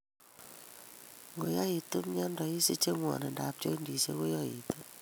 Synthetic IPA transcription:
ŋɡo˨ja˦i˨tu˦mɲa˦ndɔ˨i˦se˦t͡ʃe˦ŋwɔ̰˨ne˨nda˨p̚t͡ʃo˦ndi˨se˦ɡo˦jɔ˦ḭ˨tu˦

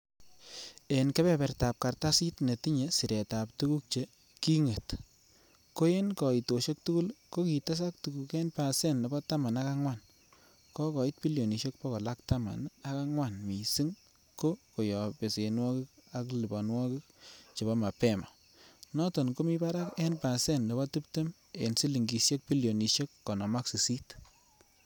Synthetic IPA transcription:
e˨nke˦bɛ˦pɛ˨rta˨p̚ka˨rta˦si˦tne˨ti˦ɲe˨si˨ɾe˨ta˨ptu˦ku˦k̚t͡ʃe˦ | ki˦ŋe˨t | ko˦je˦nkɔ˨i˨to˨ʃe˦k̚tu˦ku˦lko˦ki˨ta˦s̬a˦k̚tu˨ku˨ke˦npa˨sɛ˦˨nːe˨bɔ˦ta˦ma˨na˦ka˦ŋwa˦˨n | kɔ˦kɔ˨i˦t̚pi˦ljo˨ni˨ʃe˦k̚pɔ˦kɔ˨la˦kta˦ma̰˨na˦ka˦ŋwa˦˨nmi˨si˦ŋ | ko˦ko˨jɔ˨pe˨se˨nwɔ˦ki˦k̚a˦kli˨bɔ˨nwɔ˦ki˦k̚t͡ʃe˨ba˦ma˨pɛ˦ma̰˨ | nɔ˦tɔ˨nko˦mi˦pa˦ɾa˦kɛ˦npa˨sɛ˦˨nne˨bɔ˦tu˦pte˦m | e˨nsi˦li˨ŋɡi˨sje˦k̚pi˦ljo˨ni˨ʃe˦kːɔ˨nɔ˨ma˦ksi˨si˦t

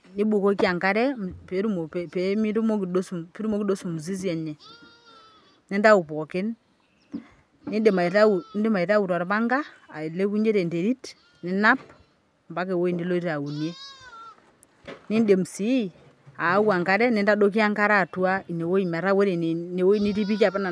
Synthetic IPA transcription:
ni˦bu˨ko˦ki˦a˨ŋka˦ɾɛ˦pe˨˦ɾu˦mo˨ppːmi˦tu˦mo˦ki˨do˦su˨pi˦ɾu˦mo˦ki˦do˦su˨mu˨s̬i˦s̬i˦ɛ˨ɲɛ˨ | ni˦nda˦u˨pɔ˨kɪ˦n | ni˦de˨ma˨ta˦u˨˦ndi˦ma˨i˨ta˦wu˨tɔ˨ɾma˦ŋɡa˦a˨i˨le˦ku˦ɲd͡ʒe˦te˨nde˨ɾi˦t | ni˦na˦p̚ | mba˦k̬e˨wo˦i˨ni˦lo˦i˦ta˨wu˨nje˦ | ni˦nde˨m˨si˦ | aː˨˦wa˨ŋka˦ɾɛ˦ni˨nda˦do˦k̬i˦a˦ŋka˦ɾa˦˨tu˦a˦i˨ne˨wo˦i˨mɛ˨ɾa˦we˦ɾi˨n˨ne˨wo˦i˦ni˦t̬i˦p̬i˦ka˨pɛ˦na˨

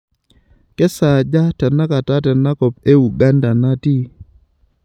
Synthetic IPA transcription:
kɛ˦sa˨d͡ʒa˦tɛ˨na˦ka˨ta˦tɛ˨na˦ko˨p̚e˦u˨ɡa˦nda˨na˦ti˦

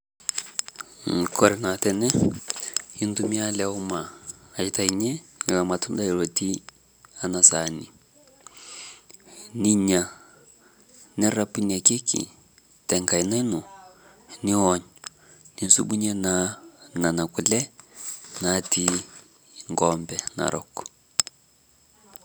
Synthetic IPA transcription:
ŋ˨kɔ˦ɾɛ˨na˨tɛ˦nɛ˦ | i˦ntumi˦a˦lɛu˦maː˨i˨ta˨i˨ɲɛ˦˨la˨ma˨tʰu˦nda˦i˨ɺo˨ti˦ | a˦na˨sani˨ | ni˦ɲa˨ | nɛ˦ɾa˦pi˦na˨ke˦kḭ˨ | tɛ˨ŋka˨ina˦i˦nu˨ | ni˦ɔɲɔ | ni˨nsu˦ɓu˦ɲɛ˦nana˨na˨ku˨lɛ˦ | nati | ŋɡɔmbɛna̰˨ɾʔɔ̰kɔ̥

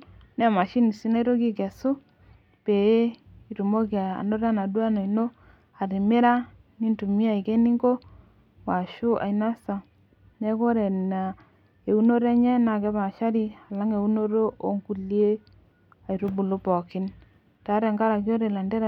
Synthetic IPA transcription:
nɛ˦˨ma˨ʃi˦ni˨si˦na˦i˦ɾo˦ki˦ke˨su˦ | pe˨e˦i˨ɾu˨mo˦ka̰˨no˦ɾa˦na˨dwa˦no˨i˨no˦ | a˨ɾi˨me˦ɾa˦ | ni˦ntu˨mi˦a˨i˨ke˦ni˦ŋɡo˦ | wa˨ʃu˦ʔa̰˨i˨na˦sa˨ | ne˦ko˦ɾe˨a˨ | e˨u˦no˦ɾe˦ɲɛ˦na˨kɛ˦pa˨ʃa˦ɾi˦a˨la˦ŋe˨u˦no˦ɾo˦ʔo˦ŋku˨lje˦ | a˨i˨ɾu˦bu˨lo˦pɔ˨kɪ˦n | ta˨˦ɾe˨ŋɡa˦ɾa˨k̬jo˦ɾe˨la˨nde˦ɾ

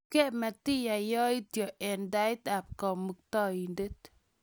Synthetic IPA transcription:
ke˦ma˨t̪i˦ja˨jɔ˦i˦t̪jo˨ʔɛ˨nda˦jt̪a˨p̚kɔ˨mu˨k̚t̪ɔ˦i˨nde˦t̪

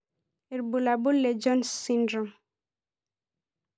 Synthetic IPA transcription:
i˨ɾbu˨la˨bu˦le˨d͡ʒɔ˦nsindɾɔ˨m

